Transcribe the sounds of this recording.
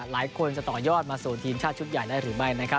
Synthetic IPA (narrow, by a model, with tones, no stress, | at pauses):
laː˩˦jkʰo˧nt͡ɕa˨˩t̪ɔː˨˩jɔː˥˩t̪̚maː˧suː˨˩t̪ʰiː˧mt͡ɕʰaː˥˩t̪̚t͡ɕu˦˥t̪̚ja˨˩jdaː˥˩jɾɯː˩˦ma˥˩jna˦˥kʰa˦˥